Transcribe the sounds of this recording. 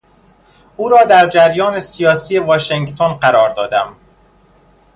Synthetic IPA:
ʔuːɾɒːd̪æɾd͡ʒæɾjɒːnesijɒːsijevɒːʃeŋɡt̪ʰonɢæɾɒːɾd̪ɒ̰ːd̪æm

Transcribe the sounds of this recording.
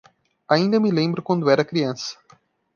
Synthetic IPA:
aĩnd̪ɐmɪlẽmbɾʊkwɐ̃nd̪ʊɛɾɐkɾiɐ̃sɐ̥

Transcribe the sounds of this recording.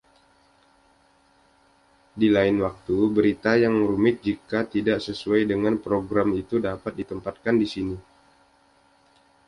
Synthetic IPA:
dilaɪnwak̚t̪ubəɾit̪ajaŋɾumɪt̪̚d͡ʒikat̪idaʔsəsuajdəŋanpɾoɡɾamit̪udapat̪̚dit̪əmpat̪̚kandisini

